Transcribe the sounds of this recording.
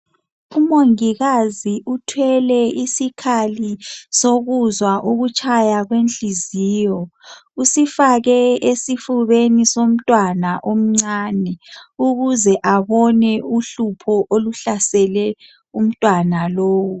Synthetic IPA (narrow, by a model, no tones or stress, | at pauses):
umoŋiɣaziutʰwɛlɛisikʰalisoɣuzwaʔoɣut͡ʃʼajaɣwenɬiziːjɔusifaɣɛesifuβenisom̩tʼwanaʔom̩ŋ͡ǀanɛuɣuzɛʔaβɔnɛuɬupʰɔʔoluɬasɛlɛ | um̩tʼwanaloːwu